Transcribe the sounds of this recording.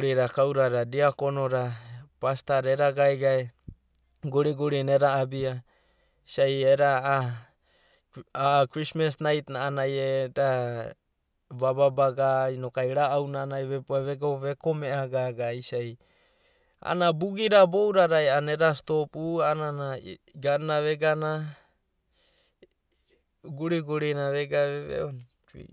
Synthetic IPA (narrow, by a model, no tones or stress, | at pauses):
ɾiɾakawɾaɾadiakonoɾapastaɾeɾaɡajɡae | ɡoɾiɡoɾineɾaːbia | isajeɾa | akɾismasnajt̪naanajeɾa | bababaɡainokajɾaːwnanajβebuaβeɡaβekomeaɡaɡaisaj | a̰nabuɡiɾabowɾaɾajaneɾast̪opuananaɡanaβeɡana | ɡuɾiɡuɾinaβeɡaβeβḛon | ḭ